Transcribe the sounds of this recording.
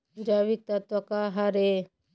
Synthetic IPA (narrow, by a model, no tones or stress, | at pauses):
d͡ʒaːβik̚t̪ɐt̪wɐkaɦaɾe